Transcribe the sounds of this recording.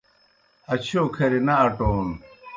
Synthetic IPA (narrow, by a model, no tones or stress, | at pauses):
ɐt͡ɕʰoːkʰɐɾinaːʈoːn